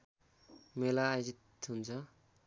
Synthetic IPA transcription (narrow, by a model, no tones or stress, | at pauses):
melaːjzit̪unt͡sʰʌ